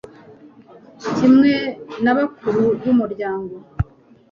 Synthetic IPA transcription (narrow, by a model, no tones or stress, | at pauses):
cimŋe̞naβakuɾuβumuɾɟaːŋɡo̞